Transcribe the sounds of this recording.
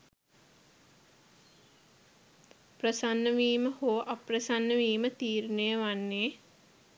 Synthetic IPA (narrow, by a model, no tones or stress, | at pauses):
prəsanːəʋiːməhoːʔaprəsanːəʋiːmət̪iːɾunejəʋanːeː